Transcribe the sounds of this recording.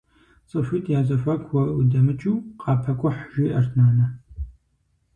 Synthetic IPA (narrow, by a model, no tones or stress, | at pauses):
t͡sʼɨʃʷitʰjaːzɐɕʷɐkʷwɐudɐmɨt͡ʃʼuːqʼɑːpʰɐkʷʼɔħʒiːʔɐrʰnaːnɐ